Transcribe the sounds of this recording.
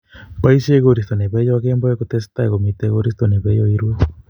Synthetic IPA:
paiseɣoɾist̪oneβejoakemboekot̪est̪aekomit̪eɣoɾist̪oneβejoiɾuo

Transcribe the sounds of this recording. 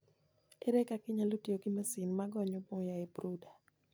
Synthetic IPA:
eɾɛkakɪɲalotioɡimasinmaɡɔɲɔboŋjaebɾuda

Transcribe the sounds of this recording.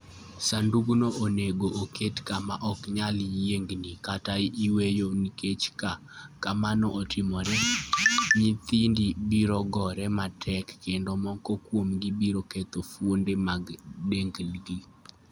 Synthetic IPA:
sanduɡnoʔoneɡoʔokʰetkamaʔɔkɲaljeŋɡnikataiwejoniket͡ʃka | kamanɔʔotimɔɾɛ | ɲit̪indibiɾɔɡɔɾɛmatʰɛkːendomɔŋkɔkwomɡibiɾoket̪ofwondemaɡdeŋɡlɡi

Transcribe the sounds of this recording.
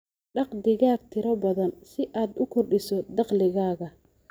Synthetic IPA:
ɖɑqd̪ɪɣaːɡ̚t̪ʰɪɾɔbɐðɐnsɪʔaːd̪ʊkʰɔrɖɪsɔd̪ɑqlɪɣaːɣɐ

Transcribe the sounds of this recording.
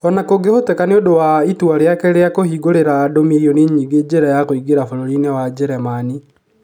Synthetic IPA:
ɔnakoɡehotɛkaneodowaitwaɾeakeɾeakohiɡoɾeɾaːdomejɔneɲiɡed͡ʑeɾajakoiɡeɾafoɾoɾinewad͡ʒɛɾɛmani

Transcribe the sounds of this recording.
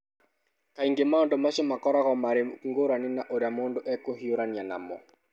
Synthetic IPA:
kaiŋɡemaondomaɕomakɔɾaɣɔmaɾeŋɡoɾaninaʔoɾjamoːndoʔɛkoɦioɾanjana̰mɔ̰

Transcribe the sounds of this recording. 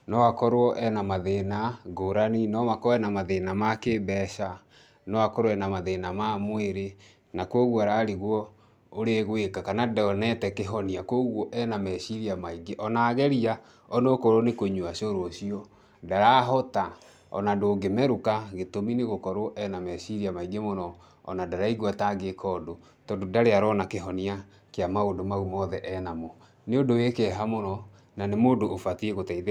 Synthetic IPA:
nɔwakɔɾoɔʔɛnamaðenaɡoɾaninɔmakɛnamaðenamakebɛʃa | nɔwakɔɾoɛnamaðenamamweɾe | nakwɔɣwɔaɾaɾiɣwɔ | oɾeɣwekakanadɛɔnɛtɛkeɦɔniakoɣwɔʔɛnamɛɕiɾiamaiɡeʔɔnaɣɛɾia | ɔnokɔɾɔnekoɲuaɕoɾwɔɕiɔ | daɾaɦɔta | ɔ̰nadoːɡemɛɾukaɣetomineɣokɔɾoʔɛnamɛsiɾiamaiɡemonɔ | ɔ̰nadaɾaiɣwataɡekʰɔdo | tɔːndodaɾeaɾɔːnakeɦɔnia | keamaondomaɣumɔðɛʔɛnamɔ | neodowekɛɦamonɔ | nanemoːndoʔːfatieɣotaið

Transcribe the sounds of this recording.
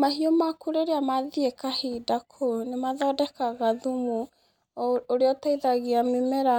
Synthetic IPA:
mahiomakuɾeɾeamaðiekahiːdakʰonemaðɔːdɛkaɣaðumu | oɾeɔtaiðaɣiamimɛɾa

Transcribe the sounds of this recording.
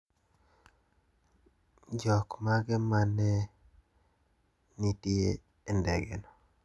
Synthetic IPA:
d͡ʒɔkmaɡɛmanɛ | nitjeː | ndɛ̰ɡɛ̰nɔ

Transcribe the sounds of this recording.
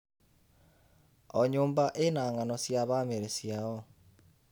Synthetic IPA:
ɔɲoːmbaʔenaːŋanɔsjaβameɾesjaɔ

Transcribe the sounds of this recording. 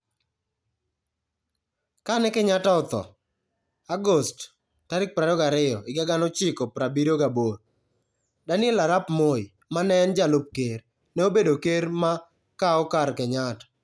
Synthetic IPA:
kanɛkɛɲataɔt̪ɔ̰ | aɡost | taɾɪk̚pɾadɔɡaɾɪɔɪɡaɡanɔt͡ʃɪkɔpɾabiɾoɡaboɾ | danɪɛlaɾapmoi | manɛnd͡ʒalʊp̚keɾ | nɛobedokeɾma | kaɔkaɾkɛɲatḁ

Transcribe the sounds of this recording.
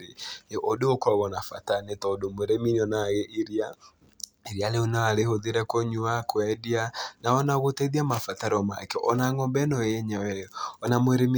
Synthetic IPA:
eʔodookɔɣɔnafa̰tanetɔdomwɛɾeminiɔnaɣeʔiɾia | eɾialeonaaɾehoðeɾɛkoɲuakwɛdianaɔnaɣotɛðiamafataɾɔma̰kɛʔɔ̰naŋɔmbɛnɔjeɲawɛɔɔnamwɛɾemi

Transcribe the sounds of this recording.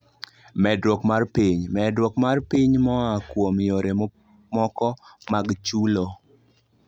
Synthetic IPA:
mɛdwɔkmarpiɲmɛdwɔkmarpiɲmɔakwomjoɾe | mɔkɔmaɡt͡ʃulo

